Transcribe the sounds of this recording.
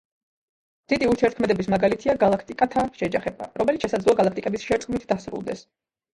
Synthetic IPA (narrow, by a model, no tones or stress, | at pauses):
d̪̥id̪iuɾt̪ʰiɛɾt̪kʰmɛd̪ɛbismaɡalit̪ʰiaɡalˠakʰt̪ʼikʼat̪ʰaʃɛd͡ʒaχɛba̰ɾɔmɛlit̪ʃɛsad̪zlˠɔaɡalˠak̚ʰt̪ʼikʼɛbisʃɛɾt̪sʼkʼmit̪ʰd̪asɾṵlˠd̪ɛs